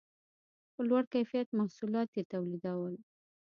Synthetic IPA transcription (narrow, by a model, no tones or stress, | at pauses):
pəlwaɽkajfijat̪mahsulɑt̪jet̪awlid̪awəl